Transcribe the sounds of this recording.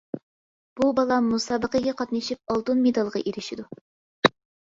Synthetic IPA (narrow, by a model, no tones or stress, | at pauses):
b̥ubɑlˠɑmːusɑːbəqəɡʲɛqʰɑt̪nɨʃip̚ɑlˠt̪unmed̪ɑlˠʁɑ̰ʔeɾɪʃid̪u